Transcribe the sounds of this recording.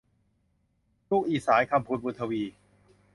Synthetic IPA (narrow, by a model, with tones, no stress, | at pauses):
luː˥˩k̚ʔiː˧˩saː˩˦jkʰa˧mpʰuː˧˩n̚buː˧˩t̪ʰa˧wiː˧